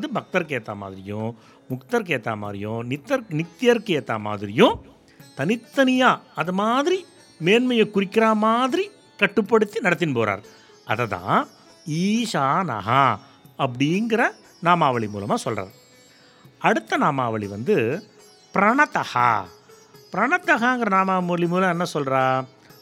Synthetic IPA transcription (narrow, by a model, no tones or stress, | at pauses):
ðɯbɐk̚t̪ɐɾkeːt̪ːaːma̰ːðɪɾɪjʊ̃ | mʊkt̪ɐɾk̬eːt̪ːa̰ːma̰ːðɾɪjʊ̃nɪt̪ːɐɾnɪkt̪ːɪjɐɾkeːt̪ːaːma̰ːðɪɾɪjʊ̃ | t̪ɐnɪt̪ːɐnɪjaːɐðɐmaːðɪɾi | meːnmɐjɐkːʊɾɪkːɪɾaːmaːðɪɾi | kɐʈːɯpːɐɽɯt̪ːinɐɽɐt̪̬ːɪnpoːɾa̰ːɾ | ʔɐðɐt̪ã̰ː | iːʂaːnɐ̰ɦa | ɐp̬ːɐɽɪŋɡɪɾɐ | naːmaːʋɐɭɪmuːlɐmaːsɔlra̰ːɾ | ɐɽɯt̪ːɐnaːmaːʋɐɭiʋɐ̰nd̪ɯ | pɪɾɐɳɐt̪ɐha̰ː | pɪɾɐɳɐt̪ːɐɣaɪŋɡɪɾɐnaːmaːmɭimuːlɐ̃ɛnːɐsɔlraː